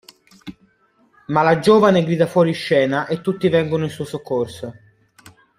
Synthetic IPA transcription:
malad͡ʒoːvaneɡɾiːd̪afwɔːɾiʃːɛːnaʔet̪ːut̪ːivɛŋɡonoinsuːosokʰːorso

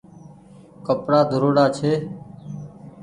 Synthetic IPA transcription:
kəpɾaːd̪ʱʊɾoːɽaːt͡ʃʰeː

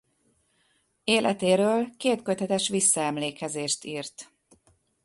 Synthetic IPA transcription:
eːlʔɛt̪eːɾøːlkeːt̪køt̪ɛt̪ɛʃʋisːɒɛmleːkɛzeːʃt̪iːrt̪

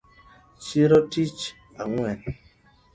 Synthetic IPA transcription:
t͡ʃiɾɔtit͡ʃ | aŋwɛn

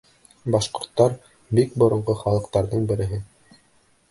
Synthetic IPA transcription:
bɑʃqŏɾt̪ːɑɾ | bikbŏɾŏɴʁɤχɑlˠɤ̆qt̪ɑɾðɤɴbɘ̆ɾɘ̆ɦɘ

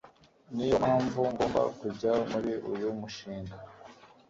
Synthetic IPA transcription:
nijomhaːɱvuŋɡoːmba̰kubɟamuɾiʔujumuʃiːŋɡa

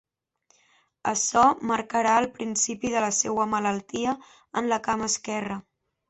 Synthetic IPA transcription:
əsɔməɾkəɾaəlˠpɾinsipiðələsewəmələlˠt̪iə | ənləkaməskɛrə

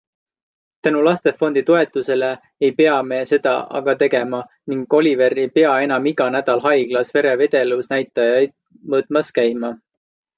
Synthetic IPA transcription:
t̪ænulɑst̪e̞fo̞nd̪it̪o̞e̞t̪ːˑuse̞le̞ː | jpe̞ɑme̞se̞d̪̥ɑ̰ʔɑ̰ɡ̥ɑt̪e̞ɡe̞mɑ | niŋɡo̞lʲive̞ɾejpe̞ɑe̞nɑmiɡ̥ɑnæd̪̥ɑlɦɑjɡ̥lɑsve̞ɾe̞ve̞d̪̥e̞lusnæjt̪ːˑɑjɑjd̪̥̚ | mɤːt̪ˑmɑskæjmɑ

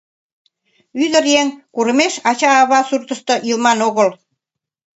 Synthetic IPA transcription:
yðə̆ɾjeŋkuɾə̆meʃɑt͡ɕɑːβɑsurt̪ə̆ʃt̪ɤ̆ʔilmɑnoɣəl

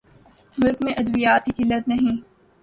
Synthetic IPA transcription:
mʊlkmẽʔɐd̪ʋijaːt̪ikilɐd̪nɐɦĩ

